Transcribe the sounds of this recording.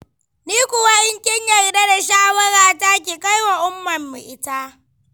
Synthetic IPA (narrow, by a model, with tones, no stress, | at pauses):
niː˦kʷʊ˨wa˦jɪ˦ŋkʲɪ˦ɲjɐ˨rda˦da˨ʃaː˦wɐ˦ɽaː˦˨ta˦k̬ʲeː˨ka˦jwa˨ʔʊ˦mːɐ˨mːɪ˨ʔɪ˦ta˦